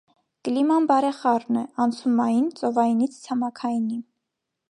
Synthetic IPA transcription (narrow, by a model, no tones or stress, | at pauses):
kəlimɑnbɑɾɛχɑrnɛɑnt͡sʰumɑjint͡sɔvɑjinit͡sʰt͡sʰɑmɑkʰɑjni